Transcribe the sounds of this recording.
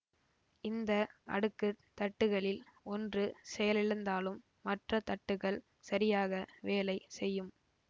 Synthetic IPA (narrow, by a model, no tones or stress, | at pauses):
ɪnd̪ɐʔɐ̰ɽɯkːɯt̪ɐʈːɯɣɐɭɪlɔndrɯsɛjɐlɪɻɯnd̪aːlɯmːɐʈrɐt̪ɐʈːɯɣɐɭ | sɐɾɪjaːɣɐʋeːlɐɪsɛjːɯm